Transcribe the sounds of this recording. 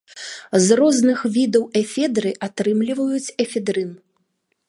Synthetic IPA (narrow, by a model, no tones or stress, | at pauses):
zrɔznɨxvʲid̪ɐwɛfʲɛd̪ɾɨʔat̪ɾɨmlʲivɐjut͡sʲɛfʲɛd̪ɾɨn